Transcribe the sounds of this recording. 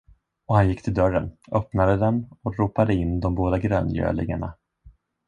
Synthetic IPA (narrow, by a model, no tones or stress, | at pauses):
ɔhanjɪkːt̪ʰɪld̪œɾːənœpnad̪əd̪ɛnɔɾuːpad̪əɪnːd̪ɔmboːd̪aɡɾœ̰ːnjø̰ːlɪ̰ŋaɳa